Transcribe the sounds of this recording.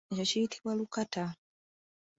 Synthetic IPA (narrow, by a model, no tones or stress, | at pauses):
t͡ʃacijitʰiβwalukata